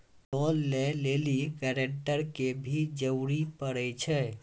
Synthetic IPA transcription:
nɔːlːeleːlikɛɾẽɳʈəɾkebʱid͡ʒəwɾipəɽɛt͡ʃʰɛ

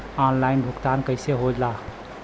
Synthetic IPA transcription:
ɔnlajnbʱukt̪ankəɪseɦod͡ʒla

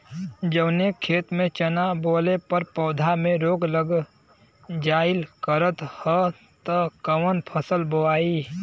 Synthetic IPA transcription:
d͡ʒəbnekʰeːt̪mẽt͡ʃənaboːlepəɾpɔːd̪ʱamẽɾoːɡləɡ | d͡ʒaːɪlkəɾət̪hɔ | t̪əkəwənpʰəsəlbəwaːi

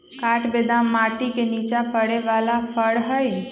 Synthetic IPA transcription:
kaʈbed̪amaʈikenit͡ʃapəɽeʋalapʰəɽɦəj

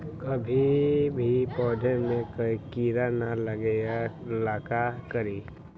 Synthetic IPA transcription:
kɐbʱibʱipɔːd̪ʱemẽkəikiːɾanaləɡealaːkakəɾiː

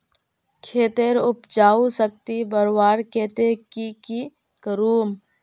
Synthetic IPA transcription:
kʰeːt̪eɾʊpd͡ʒaːusək̚t̪ibəɾwaːɾkeːt̪ekiki | kəɾuːm

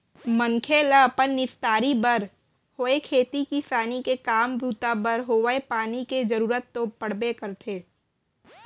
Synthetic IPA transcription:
məŋkʰeləpənːɪst̪aːɾibəɾ | hoːekʰeːt̪ikisaːnikekaːmbuːt̪abəɾɦoːʋəepaːniked͡ʒəɾuːɾət̪ːopəɽ̤bekəɾt̪ʰeː

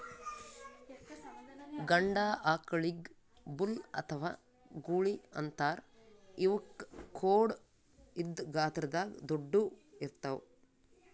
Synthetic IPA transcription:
ɡɐɳɖaːʔaːkɐɭiɡ | bulɐ̰t̪ʰɐʋa̰ː | ɡuːɭiɐ̰nt̪aːɾiʋɐkʰːoːɽ | id̪ɡaːt̪ɾɐd̪aːɡd̪oɖːuiɾt̪ɐw

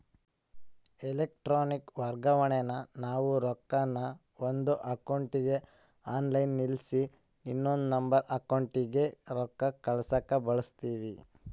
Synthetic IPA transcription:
elek̚ʈɾoːnikʋɐɾɡɐʋɐɳɛnɐnaːʋuɾɔkːɐnːɐ | ond̪uʔɐkɐwɳʈiɡe̞ | aːnlɐjnːilsi | inːond̪unɐmbɐɾʔɐkɐwɳʈiɡe̞ɾɔkːɐkɐɭsɐkːɐbɐɭust̪iːʋi

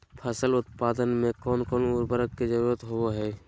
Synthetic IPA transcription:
pʰəsəlʊt̪̚paːd̪ənmẽkɔːnkɔːnuːɾbəɾəkked͡ʒəɾuːɾət̪ɦooɦɛː

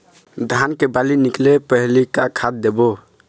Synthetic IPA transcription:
d̪ʱankebaliniklepəɦlikakʰad̪̚d̪ebo

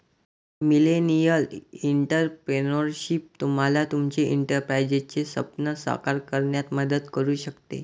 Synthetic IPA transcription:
milenijəliɳʈəɾpɾenəɾɕip̚t̪um̤alat̪umt͡ɕeʔiɳʈəɾpɾajd͡ʑet͡ɕesə̰pnəsʋa̰kaɾkəɾɳjat̪məd̪əd̪kəɾuːɕəkt̪ḛ

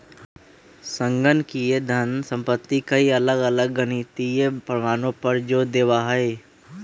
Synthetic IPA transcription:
sə̃ŋɡənkied̪ʱənsə̃mpət̪ːikɐiɐləɡɐləɡːənit̪iepɾəmaːnõpəɾd͡ʒoːd̪eːʋaɦɐe

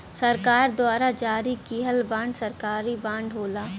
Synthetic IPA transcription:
sɐɾkaːɾd̪waːɾad͡ʒaːɾikiːɦəlbãːɳɖsɐɾkaːɾibãːɳɖɦoːlaː

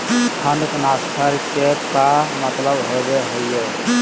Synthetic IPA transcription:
kʰəɳɖknaskʰəɾkekaɦmət̪ləbɦobeɦoje

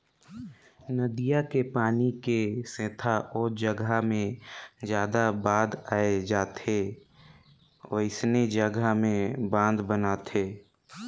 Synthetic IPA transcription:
nəd̪ijakepaːnikesẽːt̪ʰaʔɔːɾd͡ʒəɡamẽd͡ʒjaːd̪abãːd̪aːed͡ʒaːt̪ʰeː | əɪsned͡ʒəɡamẽbãːnd̪bənat̪ʰeː

